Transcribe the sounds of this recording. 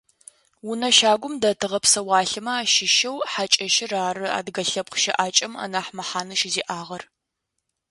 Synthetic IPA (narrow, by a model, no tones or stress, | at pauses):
wʊnɐʃaːɡʷʊmdɐtʰɨʁɐpsɐwɑːɬɨmɐaːʃɪʃɐwħat͡ʃʼɐʃɪraːrɨa̰ːdɡɐɬɐp̚qʃɐʔaːt͡ʃʼɐmɐ̰naːħmɐħaːnɨʃɪziːʔaːʁɐr